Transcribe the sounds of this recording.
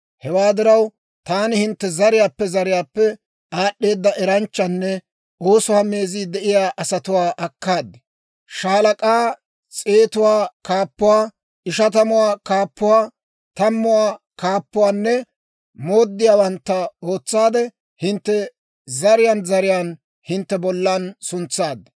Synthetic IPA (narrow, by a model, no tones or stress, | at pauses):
hɛwaːd̪ɪɾɐw | t̪aːnɪhɪnt̪ːɛzɐɾɪjaːpːɛzɐɾɪjaːpːɛ | aːɗːe̞ːd̪ːɐʔɛɾɐnt͡ʃːɐnːɛ | o̞ːsʊhɐme̞ːziːd̪ɛʔɪjaːʔɐsɐt̪ʊwaːʔɐkːaːd̪ːɛ̥ | ʃaːlɐkʼaː | t͡sʼeːt̪ʊwaːkaːpːʊwaː | ɪʃɐt̪ɐmʊwaːkaːpːʊwaː | t̪ɐmːʊwaː | kaːpːʊwaːnːɛ | mo̞ːd̪ːɪjaːwɐnt̪ːɐo̞ːt͡sːaːd̪ɛ | hɪnt̪ːɛ | zɐɾɪjanzɐɾɪjaːn | hɪnt̪ːɛbɔlːɐnsʊnt͡sːaːd̪ː